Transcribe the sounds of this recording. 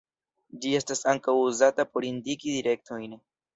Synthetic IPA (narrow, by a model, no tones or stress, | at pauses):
d͡ʒie̞stasaŋkawuzatapo̞ɾindikid̪iɾe̞k̚to̞jn